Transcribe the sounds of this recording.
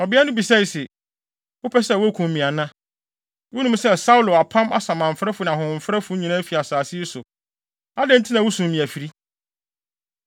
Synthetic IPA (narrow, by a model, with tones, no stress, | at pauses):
ɔ˨bɪ˦a˦nʊ̃˦bi˨sɛ˦˨sɛ˨ | wʊ˦pʰɛ˦sɛ˦˨wʊ˦æ˦kʰũ˨m˨mĩ˨a˨nã˦ | wʊ˦nũ˦msɛ˦sa˦ʊ˦lʊ˨a˨pʰã˦ma̰˦sã˨mã˨m̩˨fɾɛ˦fʊ˨nã˨ɦʊ̃˨m̩˨fɾɛ˦fʊ˦ɲĩ˨nã˦fi˨a˨saː˨si˦sʊ˨ | a˦dɛ̃˦n̩˦tʰɪ˦nã˨wʊ˦sũ˨m˨mĩ˨æ˨fi˨ɾi˦